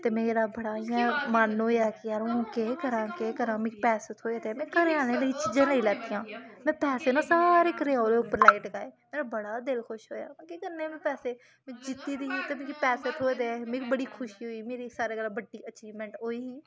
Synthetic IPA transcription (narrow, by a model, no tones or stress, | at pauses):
t̪eːmẽːɾaːbəɽaːiãːmanoːjaːkɪjaːɾõkeːkəɾãːkeːkəɾãːmẽːkːpɛːsət̪ʰoːeːd̪eːmɛ̃ːkəɾeaːnẽːləiːt͡ʃiːd͡ʒãːləiːlɛːt̪ijãːmɛ̃ːpɛːseːnãːsaːɾeːkəɾeaːoleːʊpːəɾlaːɪʈɡaːeːmeːɾabəɽaːd̪ɪlkʰʊʃɦoːja̰ːmɛ̃ːkeːkəɾneːmɛ̃ːpɛːseː | mẽːd͡ʒɪt̪ːiːd̪iːiːt̪eːmẽːkipɛːset̪ʰoːeːd̪eːmẽːkːbəɽiːkʰʊʃiːɦoːiːmeːɾiːsaːɾeːɡəlaːbəɖiːət͡ʃiːʋmɛ̃ːɳʈɦoːiːɦiː